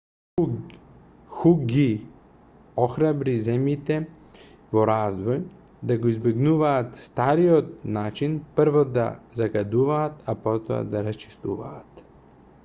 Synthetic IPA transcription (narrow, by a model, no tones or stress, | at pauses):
xuɡi | ɔxɾabɾizɛmjit̪ɛ | vɔɾazvɔj | d̪aɡoizbɛɡnuvaːt̪st̪aɾiɔt̪̚nat͡ʃinpɾvɔd̪a̰zaɡad̪uvaːt̪apɔt̪ɔ̰a̰d̪aɾast͡ʃi̥st̪uva̰ːt̪